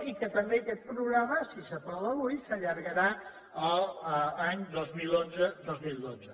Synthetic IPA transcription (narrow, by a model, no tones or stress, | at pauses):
ikət̪əmbekɛt̪̚pɾuɣɾaməsisəpɔləβujsəʎəɾɣəɾa | əlˠaɲd̪ozmilˠonzəd̪ozmilˠd̪odzə